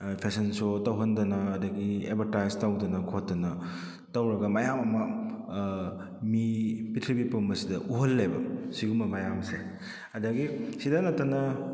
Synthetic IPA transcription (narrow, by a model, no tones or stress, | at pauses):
pʰesɐnsotɐwɦɐndɐnɐːdɐɡiḛbʰʱɐɾtajztɐwdɐnɐkʰotːɐnɐ | tɐwɾɐɡɐmajamɐmɐ | mipitʰibipumbɐsidɐʔuɦɐlːɐjbɐ̰siɡumbɐmajamse | ɐdɐɡisidɐnɐtːɐnɐ